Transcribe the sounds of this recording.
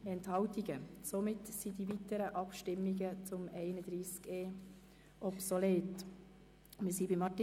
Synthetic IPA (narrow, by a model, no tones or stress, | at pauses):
ɛnthɑltiɡəsomɪtsidivitəɾəʔɑpʃtɪmːɪɡət͡sʊmɛɪnəd̥ɾiːskeː | ʔɔpsoleːt | mɪsiːbɪmːɑtː